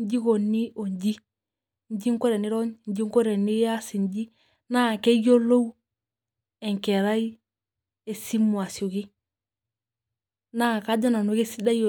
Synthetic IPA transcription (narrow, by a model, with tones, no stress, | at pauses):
ɲ˦d͡ʒi˦ko˨ni˦ʔo˨ɲd͡ʒi˦ | ɲd͡ʒi˦ŋko˦ɾe˨ni˦ɾo˦ɲɲ˦d͡ʒi˦ŋko˦ɾe˨ni˦ja˦si˨ɲd͡ʒi˦ | na˦˨ke˦ɡo˦lo˦w | e˨ŋke˨ɾa˦i˦ | e˨si˦mːu˨a˨si˨o˨ɡi˦ | na˦ka˦d͡ʒa˦na˨no˨ke˦si˦da˦jo